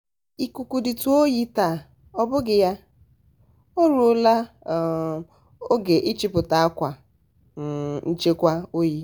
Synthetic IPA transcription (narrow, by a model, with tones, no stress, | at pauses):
i˨ku˨ku˨di˨tu˦o˦ji˦ta˨ | ɔ˦bʊ˦ɡɪ˨ja˦ | o˦ɾu˨˦la˦˨ | o˦ɡe˨ʔi˦t͡ʃɪ˦pʊ˨ta˨a˦kʷa˨ | n̩˦t͡ʃe˦kʷa˦o˦ji˦